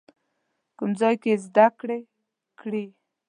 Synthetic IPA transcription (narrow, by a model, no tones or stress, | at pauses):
kʊmzɑjkezd̪akɽe | kɽi